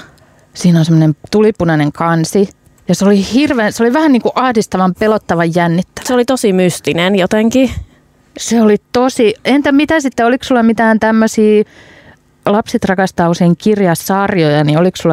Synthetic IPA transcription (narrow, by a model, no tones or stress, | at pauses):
siːnonsemːŏnemt̪ulipunɑneŋkɑnsi | jɑseolihirʋeːnseoliʋæhænniːŋkuʔɑhdist̪ɑʋɑmpelot̪ːɑʋɑjjænːit̪ːæ̥seolit̪osimyst̪inenjot̪eŋki | seolit̪osient̪æmit̪æsit̪ːeoliksulːɑmit̪æːnt̪æmːøsiː | lɑpset̪rɑkɑst̪ɑːuseiŋkirjɑssɑːrjojɑnioliksulːɑ